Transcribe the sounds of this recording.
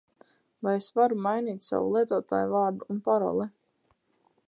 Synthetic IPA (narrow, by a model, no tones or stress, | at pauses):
vajesvaɾumajniːt̪ʲsa̰vṵlˠiɛt̪ɔːt̪a̰ːjuvaːɾd̪uunpaɾɔ̰lˠɛ